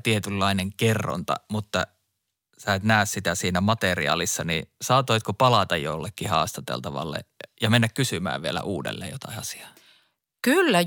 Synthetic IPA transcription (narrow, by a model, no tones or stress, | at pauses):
t̪iet̪ylːɑineŋkerːo̰nt̪ɑ̰mut̪ːɑ | sæˑet̪næˑːssit̪æsiːnæmɑt̪eriɑ̰ːlisːɑnisɑːt̪oˑit̪kopɑlɑt̪ɑjjo̰lːekːihɑ̰ːst̪ɑt̪ḛlt̪ɑʋɑ̰lːḛjɑmenːækkysymæ̰ːʋʋielæ̰ʔuːdḛlːḛːjot̪ɑ̰iɑsi̥ɑ̥ː | kylːæ